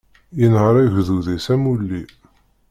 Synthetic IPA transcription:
jənhəɾˤæʝðuðæsæmulːi

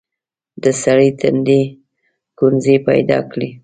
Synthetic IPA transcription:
d̪əsaɽət̪and̪e | kunzepa̰jd̪ɑ̰kɽi

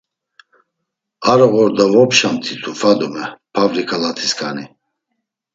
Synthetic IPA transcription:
aɾɔɣɔɾd̪avɔpʃamt̪ʰit̪ʰufad̪umɛpʰavɾikʼalat̪ʰiskʰʼani

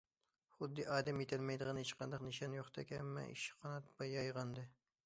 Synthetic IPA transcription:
χʊd̪ːɨʔɑːd̪ɛmjet̪ʰɪlmɛjd̪ɨʁɨnet͡ʃqɑnd̪ɑqnɨʃɑnjoχt̪ʰɑkʲɛmːɛ̰ʔḭʃqʰɑnɑt̪bɑjɑjʁɑnd̪ɨ

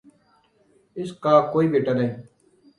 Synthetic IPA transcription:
ɪskaːkoːiːbeːʈaːnəẽː

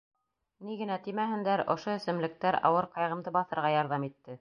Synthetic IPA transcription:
niɡɘ̆næt̪imæɦɘ̆nd̪æɾŏʃoɵ̆sɘ̆mlɘ̆k̚t̪æɾɑ̰wɤɾqɑjʁɤ̆md̪ɤbɑθɤ̆ɾʁɑjɑɾðɑmit̪ːɘ

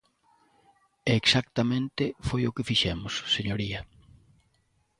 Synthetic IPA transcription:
eːksakt̪ɐmẽnt̪ɪfojʊkɪfiʃɛmʊsseɲoɾiɐ

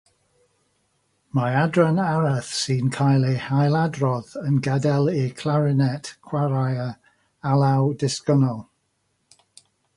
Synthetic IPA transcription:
maadɹanaɾəθsiːnkʰajlˠehajlˠadrɔðənɡɛdɛlˠikʰlˠaɹɪnɛtkʰwaɾajə | alawdɪskənɔlˠ

